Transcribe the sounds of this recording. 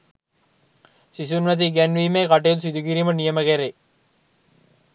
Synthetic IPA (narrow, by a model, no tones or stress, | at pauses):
sisunʋɐt̪̬iɡɛnʋimekɐʈ̬ːeut̪usid̪ukiɾimɐnijɐmɐkeɾe